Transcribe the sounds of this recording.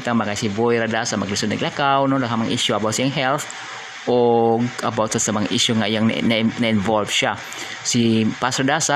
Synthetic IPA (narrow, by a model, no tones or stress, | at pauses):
t̪aŋmakajsibojɾadasamaɡɾisʊnaɡlakawnɔlakamaŋʔḭʃuabawt̪siaŋɦɛlθ | ɔɡabawt̪sasamaŋiʃuŋaijaŋnanainvɔlfʃa | sipasradasa